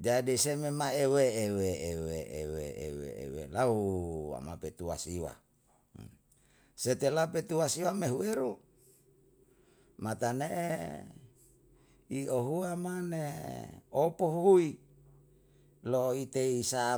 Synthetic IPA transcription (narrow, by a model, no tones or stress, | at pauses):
d͡ʒadisememaeweeweeweʔḛweḛwḛḛwḛlaua̰mapet̪ua̰siwa̰ | set̪elaupet̪uasiwameɦueɾu | mat̪aneʔe | ioɦuamane | opoɦuɦui | loit̪eisa